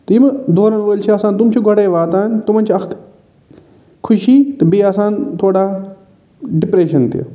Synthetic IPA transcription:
t̪ɐimɐd̪ʱoːɾənʋoːlt͡ʃʰiɐsãːnt̪ʊmt͡ɕʰoɡʱɐɽeːʋaːt̪aːɦɪnt̪um̤ə̃nt͡ɕʰiɐ | kʰʊʃiːt̪ɐbiɐsãːnt̪ʰoːɽa | ɖɪpɾeːʃɐnt̪ʰḭj̰

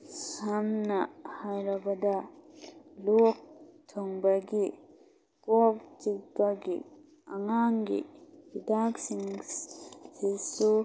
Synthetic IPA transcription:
samnahaɾɐbɐda | luk̚tʰɔŋbaɡi | kɔk̚t͡ʃikkaɡḭ | aŋaŋɡḭbidaksiŋ | sisu

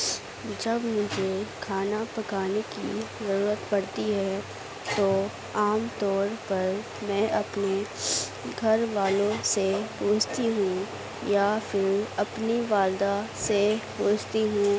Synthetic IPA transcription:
d͡ʒɐbmʊd͡ʒʱekʰaːnapɐkaːnekḭzɐɾuːɾət̪bɐɽt̪iɦɛ | t̪o | aːmt̪ɔːɾpɐɾ | mɛ̃ːʔɐpne | ɡʱɐɾʋaːlõsepoːt͡ʃʰt̪iɦũ | jafɪɾɐpniʋaːld̪asepoːt͡ʃt̪iɦũ

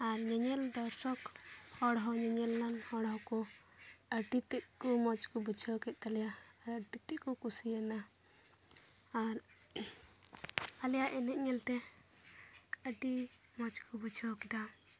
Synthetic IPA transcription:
aɾɲɛɲɛld̪ɔɾsɔkhɔɽɦɔɲɛɲɛlːanhɔɽɦɔkɔ | əʈit̪ɛʔ̚kɔmɔt͡ʃkɔbut͡ʃʰɔwkɛt̪̚ˀt̪alɛjaːɾəʈit̪ɛʔkɔkusiɛna | aɾ | alɛjaʔɛnɛʔ̪̚ɲɛlt̪ɛ | əʈi | mɔt͡ʃkɔbut͡ʃʰawkid̪a

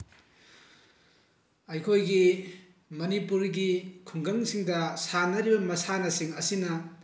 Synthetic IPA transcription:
ɐjkʰojɡi | mɐnipuɾɡikʰuŋɡɐŋsiŋdɐsanɐɾibɐmɐsanɐsiŋɐsinɐ

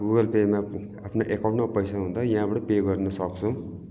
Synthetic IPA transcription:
ɡuɡʌlpema | apʰnoʔekawʈmapʌjsaɦund̪ajʌ̃ɦãbaʈʌpeɡʌrnʌsʌkt͡sʰu

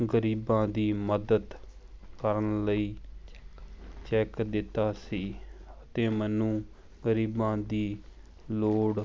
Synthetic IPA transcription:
ɡəɾiːbãːd̪iːməd̪əd̪ | kəɾənləiː | t͡ʃɛːkd̪ɪt̪ːaːsiːət̪ẽːmɛːnũː | ɡəɾiːbãːd̪iː | loːɽ

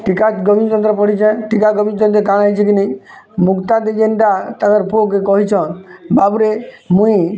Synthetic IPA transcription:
ʈikaɡɔbint͡ʃ̪ɔnt̪ɾɔpɔɽ̤it͡ʃʰɛ̃ʈikaɡɔbint̪ɔnt̪ɾɔkãajt͡ʃʰikineĩ | mukt̪ad̪ed͡ʒeɳɖat̪ak̪əɾpʰokekɔɦit͡ʃʰɔ̃babɾemũĩ

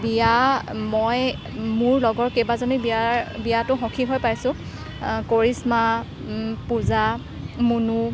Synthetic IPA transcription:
bijamoj | mʊɹlɔɡɔɹkejbazɔnibiabijatʊxɔ̃kʰiɦojpajsʊ̃ | koɹisma | puza | munu

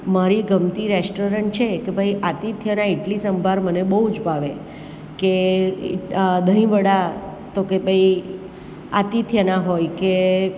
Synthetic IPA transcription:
maɾiɡəmt̪iɾɛsʈoɾəɳʈ̚t͡ʃʰekebʱəiʔat̪it̪ʰjənãiʈlisəmbʱaɾmənebəɦud͡ʒbʱaʋe | kḛ | d̪ʱəĩʋəɽa | t̪okebʱai | at̪it̪ʰjənaɦojke

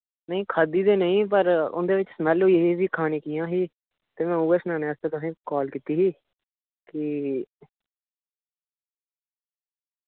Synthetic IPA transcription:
nəĩːkʰaːd̪iːd̪eːnəĩːp̬əɾʊ̰nd̪eːʋɪt͡ʃsəmɛloːjeɦisiːkʰaːnĩːkiːjãːɦiː | t̪eːmɛ̃ːuːeːsnaːnẽːəst̪ẽːt̪əsĩːkɔːlkiːt̪iːɦiː | kɪ

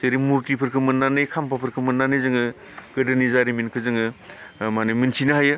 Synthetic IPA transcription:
seɾimuɾtipʰɯɾkʰɯmɯnːanɯjkʰampʰapʰɯɾkʰɯmɯnːanɯjzɯŋɯ | ɡ̥ɐdɯnizaɾiminkʰɯzɯŋɯmanɯmɯnsʰinɯhajɯ

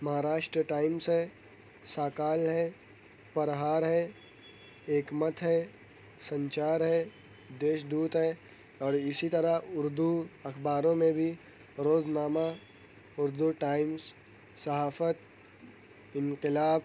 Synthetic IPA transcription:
mɐɦaːɾaːʃʈɾəʈaːɪmsɦɛ | saːkaːlɦɛː | pɐɾɦaːɾɦɛ | eːkmət̪ʰɦɛ | sɐ̃ɲt͡ʃaːɾɦɛ | d̪eːʃd̪uːt̪ɦɛː | ɔːɾɪsit̪əɾaʊɾd̪uɐxbaːɾõmẽbʱi | ɾoːznaːma | ʊɾd̪uʈaːɪms | sɐɦaːfət̪ | ɪ̃nqɪlaːb

